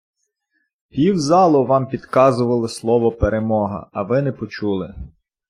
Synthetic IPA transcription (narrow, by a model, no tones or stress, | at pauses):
pʲiwzɑlˠɔʋɑmpʲid̪kɑzʊʋɐlˠɪslˠɔʋɔpeɾemɔɦɐ̰ɐʋɪnɛpɔt͡ʃulˠɪ